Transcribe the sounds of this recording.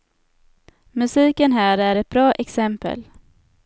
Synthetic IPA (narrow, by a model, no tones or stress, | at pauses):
mɵsiːkənɦæːɾæɾɛt̪̚bɾɑːʔɛksɛmpə̰l